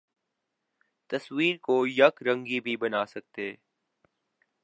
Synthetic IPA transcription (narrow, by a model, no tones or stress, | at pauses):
t̪ɐswiːɾkojɐkɾɐ̃ŋɡibʱibɐnaːsɐk̚t̪eː